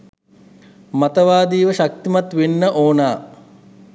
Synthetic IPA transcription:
mat̪əʋaːd̪iːʋəʃak̚t̪imat̪ʋenːəʔoːnaː

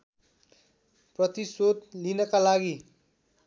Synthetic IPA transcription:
prʌt̪isod̪linʌkalaɡi

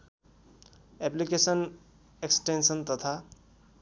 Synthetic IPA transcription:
eplikesən | eksʈensənt̪ʌt̪ʰa

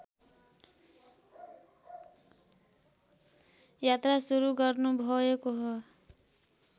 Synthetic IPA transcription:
jat̪ɾasuɾuɡʌrnubʱoekoɦʌ

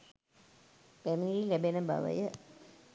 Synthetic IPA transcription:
pæmiilɛbenəba̰ʋə̰jə

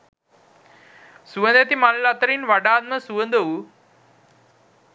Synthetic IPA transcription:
suʋə̃nd̪et̪imallat̪əɾiːnʋaɖaːd̪̚məsuʋənd̪ou

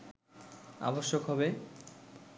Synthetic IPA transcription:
a̰boʃːokɦɔbe

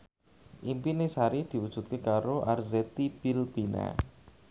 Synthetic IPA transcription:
ʔimpinesaɾid̪̥i̤wud̥ʒ̥ṳt̪̚kekaɾoʔarzɛt̪ib̥ilb̥ina̰

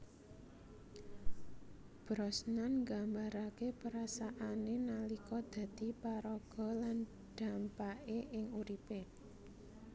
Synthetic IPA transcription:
b̥ɾɔsnanŋɡambaɾakepəɾasaʔanenalikɔd̪̥ä̤d̪̥i̤paɾɔɡ̥ɔ̤lan | d̪̥ä̤mpaʔeʔɪŋuɾipe

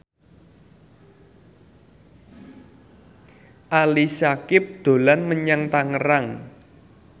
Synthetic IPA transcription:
ʔalisakɪp̚d̪̥o̤lanməɲaŋt̪aŋəɾaŋ

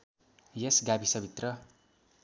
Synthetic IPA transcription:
jesɡabʱisʌbʱit̪rʌ

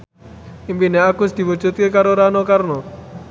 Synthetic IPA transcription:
impineakʊsd̪̥i̤wud͡ʒ̥ut̪̚kekaɾoɾanokarno

